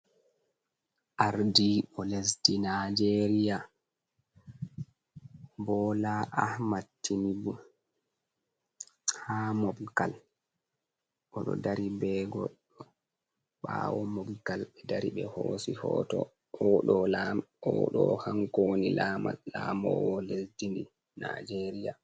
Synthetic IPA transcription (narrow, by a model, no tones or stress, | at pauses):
ʔaɾdiɓɔles̬dinad͡ʒeɾija | bɔlaʔahmatːinibu | haːmɔbkal | ʔɔɗɔ̰daɾibɛɡɔɗ | ɔ | ɓawɔmɔbkalɓɛdaɾiɓɛhoːsihɔːtɔ | ɔɗɔlaɔɗɔhaŋkonilama̰lamɔ̰wɔlesdindi | nad͡ʒeɾija